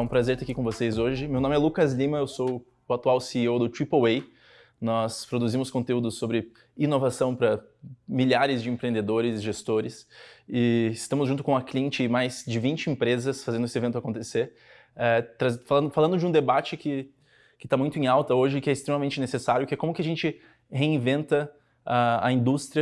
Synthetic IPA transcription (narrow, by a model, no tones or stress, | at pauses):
ũpɾazeɾt̪eakikõvosejzoʒɪmewnõmɪɛlukɐzlĩmɐewso | ʊat̪uawsiowd̪ʊt̪ɾipowej | nɔspɾod̪uzĩmʊskõnt̪eud̪ʊsːobɾɪ | inovasɐ̃w̃pɾɐ | miʎaɾɪzd͡ʒɪẽpɾẽnd̪ed̪oɾɪzʒest̪oɾɪsɪɪst̪ɐ̃mʊzʒũt̪ʊkõɐkliẽnt͡ʃɪmajzd͡ʒɪvĩnt͡ʃɪẽpɾezɐsfazẽnd̪ʊesɪevẽnt̪ʊakõnt̪eseɾ | ɛt̪ɾazfalɐ̃nd̪ʊfalɐ̃nd̪ʊd͡ʒɪũd̪ebat͡ʃɪkɪ | kɪt̪amũj̃t̪ʊẽawt̪ɐoʒɪkɪɛɪst̪ɾemɐmẽnt͡ʃɪnesesaɾjʊkɪɛkõmʊkɪaʒẽnt͡ʃɪ | heĩvẽnt̪ɐ | aɐ̰ĩnd̪ust̪ɾiɐ